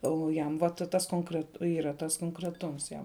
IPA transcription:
ˈoː ˈjɛm ʋɐ ˈtɐ ˈtɐs koːŋkrʲɛt ˈiːrɐ ˈtɐs koːŋkrʲɛˈtʊms ˈjɛm

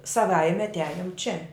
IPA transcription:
sɐˈʋɐɪmʲɛ ɐtʲˈæːjʊm t͡ʃʲɛ

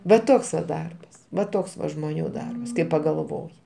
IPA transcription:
ʋɐ ˈtoːks ʋɐ ˈdɐrbɐs ʋɐ ˈtoːks ʋɐ ʒmoːˈnʲuː ˈdɐrbɐs kɐɪ pɐɡɐlˠˈʋoːjɪ

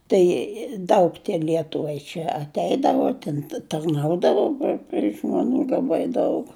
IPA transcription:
ˈtɐɪ ˈdɐʊk ˈlʲiɛtʊʋɐɪ t͡ʃʲɛ ɐtʲˈɛɪdɐʋoː tʲɪn tɐrˈnɐʊdɐʋoː pʲrʲɪ pʲrʲɪ ʒmɐˈnuː lˠɐˈbɐɪ ˈdɐʊk

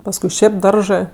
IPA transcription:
pɐsˈkʊɪ ˈʃʲeːp ˈdɐrʒɜ

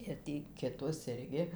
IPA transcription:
ɪr ˈtʲiː kʲɪˈtoːs ˈɪrʲɡʲɪ

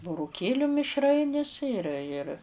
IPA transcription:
bʊrʊˈkʲeːlʲʊ mʲɪʃˈrɐɪnʲɪs ɪr ɪr

